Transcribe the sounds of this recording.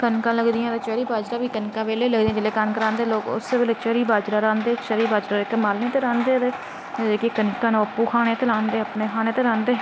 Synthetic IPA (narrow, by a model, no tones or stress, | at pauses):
kənkãːləɡd̪ijãːt̪eːt͡ʃɛːɾiːbaːd͡ʒɾaːʋiːkənkãːʋeːleːləɡd̪ĩãːd͡ʒɪleːkankəɾãːnd̪eːloːkʊ̰seʋɪleːt͡ʃɛːɾiːbaːd͡ʒɾaːɾãːnd̪eːt͡ʃəɾiːbaːd͡ʒɾaːɪkmaːlneːt̪eːɾãːnd̪eːt̪eː | kekənkãːnũːəpːuːkʰaːɽ̃eːt̪eːlãːnd̪eːəpneːkʰaːñeːt̪eːɾãːnd̪eː